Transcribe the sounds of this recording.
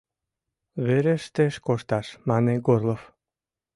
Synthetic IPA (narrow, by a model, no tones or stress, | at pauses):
βeɾeʃt̪eʃkoʃt̪ɑʃmɑneɡorlof